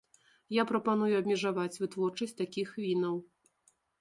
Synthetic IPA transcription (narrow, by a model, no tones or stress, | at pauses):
japɾɐpanujuɐbʲmʲɛʐavat͡sʲvɨt̪vɔrt͡ʂɐsʲtʲt̪akʲixvʲinɐw